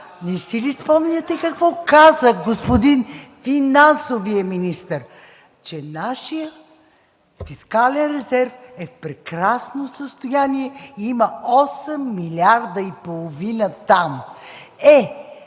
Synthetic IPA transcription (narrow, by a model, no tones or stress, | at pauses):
nɛsilispɔmnʲɐt̪ɛkɐkvɔkazəxɡospod̪infinansovijəminist̪əɾ | t͡ʃɛnaʃijə | fiskalɛnɾɛzɛɾfɛfpɾɛkɾasnosəst̪ojaniɛiiməɔsɛmːilʲaɾd̪əipolˠovinət̪am | ɛ